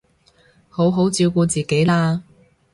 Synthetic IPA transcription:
ho˨˥wɦo˨˥wt͡siː˧wkuː˧t͡siː˨ke˨˥jlaː˧

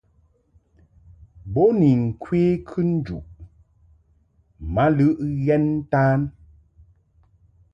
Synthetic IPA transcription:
bɔ˦ni˨ŋ̩˨kʰweː˦kʰʉ˦n̩˦d͡ʒṵ˨ʔ | ma˦lɨ˦ʔɣɛ˦n˦taː˦n

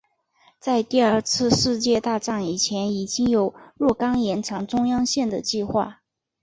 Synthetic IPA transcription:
t͡sa˥˧ɪt̪i˥˧ə˞˥˩t͡sʰɹ̩˥˧ʂɻ̩˥˧t͡ɕjɛ˥˧t̪a˥˧ʈ͡ʂɑ˥˩ŋi˨˩t͡ɕʰjɛ˧˥ni˨˩t͡ɕi˥ŋjo˨˩˦ʊɻwɔ˥˩kɑ˥ŋjɛ˧˥nʈ͡ʂʰɑ˧˥ŋʈ͡ʂʊ˥ŋjɑ˥ŋɕjɛ˥˩nd̪ə˩t͡ɕi˥˧xwa̰˥˩

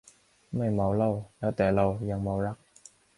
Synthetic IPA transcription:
ma˧˩jmo˨˩wlo˧˩wjaː˨˥t̪ɛː˨˩lo˧˩wja˨˩ŋmo˨˦wɾa˦˥k̚

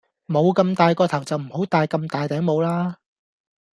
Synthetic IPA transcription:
mo˨˧wkɐ˧mt̪aː˨˧jkɔː˧t̪ʰɐ˨˩wt͡sɐ˨wm̩˨˩ho˨˥wt̪aː˨˧jkɐ˧mt̪aː˨jt̪ɛː˨˥ŋmo˨˧wlaː˥

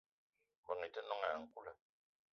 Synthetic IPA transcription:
bə˨ŋi˨tə˦nɔ˦ŋa˨ŋ̩˦˨ku˦lə˨

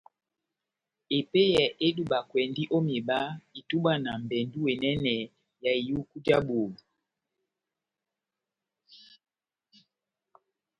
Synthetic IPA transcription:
e˨pe˦jɛ˨ʔe˦du˦ɓa˨kwɛ˨ndi˦ʔo˦me˨ɓa˦i˨tu˦ɓa˦˨na˨m˨bɛ˨ndu˦we˨nɛ˦nɛ˨ | ja˨i˨ju˦ku˦d͡ʒa˦ɓo˨

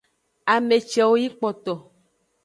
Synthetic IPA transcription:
a˨me˨t͡ʃɛ˨wo˦ji˦k͡pɔ˨t̪ɔ˨

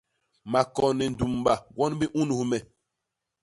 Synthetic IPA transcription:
ma˨kɔ˨nɛ˨n˨du˨mba˨wɔ˦nbi˦ʔu˦nu˨hmɛ˨

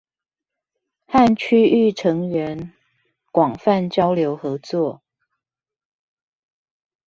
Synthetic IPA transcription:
ha˥˨nt͡ɕʰy˥y˥˨ʈ͡ʂʰɤ˧˥ŋɥɛ˨˧˦n | kwɑ˨˩ŋfa˥˨nt͡ɕjɑ˦ʊljo˧˥ʊxɤ˨˦t͡swɔ˥˨

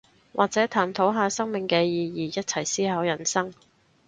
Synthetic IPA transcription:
wʔa̰ː˨k̚t͡sɛː˨˥t̪ʰaː˨˩mt̪ʰo˨˥wɦaː˨˧sɐ˥ŋmɪ˨ŋkɛː˧jiː˧jiː˨jɐ˥t̚t͡sʰɐ˨˩jsiː˥ɦɐː˨˥wjɐ˨˩nsɐ˥ŋ

